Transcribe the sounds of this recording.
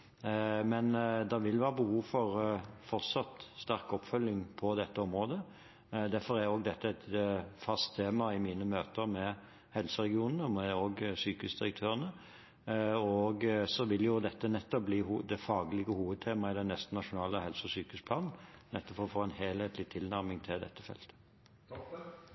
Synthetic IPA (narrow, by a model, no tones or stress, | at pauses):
mɛnd̪ɑʋɪlʋɑːbəhuːʋfɔʁfɔɾt̪sɑt̪st̪æʁkɔpːfœlːɪŋpʰɔd̪ɛt̪ːəɔmʁoːd̪ə | d̪æɾfɔʁæjoːɡd̪ɛt̪ːəɛt̪fɑst̪ʰːeːmɑɪmiːnəmøːt̪əɾmɛ | hɛlsəʁɛɡɪuːnnəɔmɛoːɡsyːkəʉsd̪ɪɾək̚t̪ʰøːʁənə | ɔɡsɔʋɪljʊd̪ɛt̪ːənɛt̪ːɔp̚bliːhud̪ɛfɑːɡlɪɡəhuːʋəd̪̚t̪ʰeːmɑɪd̪ɛnːɛst̪n̩ɑʂʊnɑːləhɛlsəɔsyːkəʉspʰlɑːnn̩nɛt̪ːɔpfɔʁɔfoːɛnheːlheːt̪ʰlɪt̪ʰɪlnæɾmɪŋt̪ʰɪld̪ɛ̰t̪ːəfɛ̰lt̪ə̥